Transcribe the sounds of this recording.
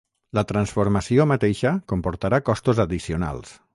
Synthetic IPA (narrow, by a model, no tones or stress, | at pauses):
lət̪ɾənsfuɾməsiomət̪eʃəkompoɾt̪aɾakɔst̪uzəðisiuna̰lˠs